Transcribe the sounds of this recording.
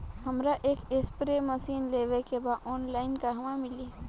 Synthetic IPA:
hɐmɾaʔeːkespɾemɐsiːnleːʋekebaːd̪ɔːnlaːɪnkaɦɐmãmɪli

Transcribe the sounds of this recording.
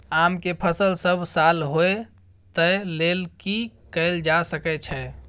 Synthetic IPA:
amkepʰəsəlsəbʱsalɦoe | t̪əlelkikəɪld͡ʒasəkɛt͡ʃʰɛ

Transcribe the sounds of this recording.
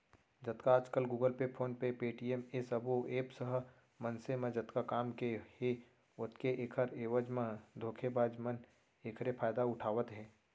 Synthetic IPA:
d͡ʒɐt̪kaaːd͡ʒkəlɡuːɡəlpepʰoːnpepeːʈiemesəboeːpsəɦ | mɐnsemẽd͡ʒɐt̪kakaːmkehe | ʊt̪keʔeːkʰəɾeːʋəd͡ʒmãd̪ʱoːkʰebaːd͡ʒmən | eːkʰɾepʰaːjd̪aʊʈʰaːʋət̪ɦɛ̃ː

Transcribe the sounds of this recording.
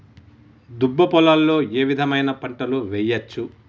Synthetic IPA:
d̪ubːɐpɔlalːo̞ːeːʋid̪ʱɐmɐjnɐpɐɳʈɐluʋɛjːɐt͡ʃːu

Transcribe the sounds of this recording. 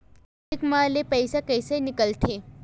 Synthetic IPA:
ikmalepəjsakəjsəjnikəlt̪ʰe

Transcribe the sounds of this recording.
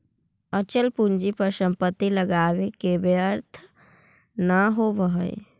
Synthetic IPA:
ət͡ʃəlpuɲd͡ʒipəʃə̃mpət̪iləɡaːwekebjəɾt̪ʰə | nəɦobəɦəḛ

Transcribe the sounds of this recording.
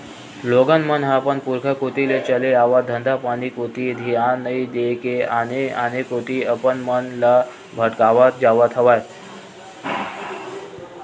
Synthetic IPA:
loɡənmənɦapənpuɾkʰəkot̪ilet͡ɕəleaʋad̪ʱənd̪ʱapañikot̪id̪ʱianəid̪ekeaneanekot̪iəpənmənla | bʱəʈkaʋat̪̚d͡ʑaʋat̪ʰəʋajt̪

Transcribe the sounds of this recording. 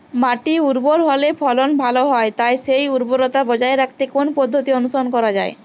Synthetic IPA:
maʈiuɾboɾɦɔlepʰɔlonbʱaloɦɔet̪aeʃejuɾboɾot̪abɔd͡ʑaeɾak̚ʰt̪ekonpɔd̪ʱːot̪ionuʃonkɔɾad͡ʑae

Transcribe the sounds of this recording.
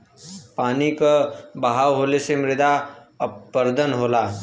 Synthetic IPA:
paːnikəbəɦaʋɦolesemɾɪd̪aəpːəɾd̪ʱənɦoːlaː

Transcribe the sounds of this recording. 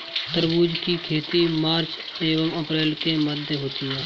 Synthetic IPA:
t̪əɾbuːd͡ʒkikʰeːt̪imaːɾt͡ʃ | eːʋəməpɾeːlkeməd̪ʱjeɦoːt̪iɦɛː

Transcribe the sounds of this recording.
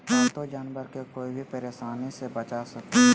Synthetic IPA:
ɛ̃ːt̪od͡ʒaːnbəɾkekoːibʱipɐɾeːʃaːnisebət͡ʃasɐk̪ː

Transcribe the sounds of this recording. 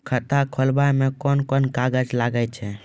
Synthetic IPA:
kʰət̪akʰolbajmẽkɔnkɔnkaɡəd͡ʒlaɡət͡ʃʰɛ

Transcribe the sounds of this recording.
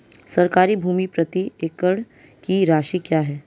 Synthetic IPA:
sɐɾkaːɾibʱuːmipɾət̪ieːkəɽ̃ | kiɾaːʃikjaːɦɛː

